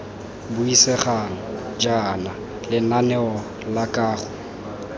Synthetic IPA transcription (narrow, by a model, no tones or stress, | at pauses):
bʊisɛχaŋɔ | d͡ʒana | lɪnanɛɔ | lakʼaːχʊ